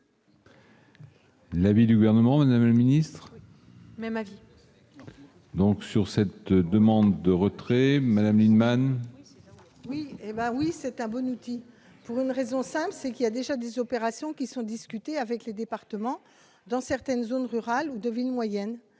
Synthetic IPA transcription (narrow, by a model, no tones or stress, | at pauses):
lavid̪yɡuvɛʁnəmɑ̃mad̪amləminist̪χ | mɛmavi | d̪ɔ̃ksyʁsɛt̪d̪əmɑ̃d̪ːəʁət̪χɛmad̪amlinman | wiebɛwisɛt̪ɛ̃bɔnut̪i | puʁynʁezɔ̃sɛ̃plsɛkiljad̪eʒad̪ezɔpeʁasjɔ̃kʲisɔ̃d̪iskʲyt̪eavɛkled̪epaʁt̪əmɑ̃ | d̪ɑ̃sɛʁt̪ɛnzonʁyʁalud̪əvilmwajɛn